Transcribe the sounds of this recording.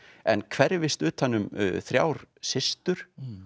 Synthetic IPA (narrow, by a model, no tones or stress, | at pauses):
ɛ̰nkʰv̥ɛɾvɪst̪ʏːt̪hanːʏmθɾjaːwɾ̥sɪst̪ʏɾ̥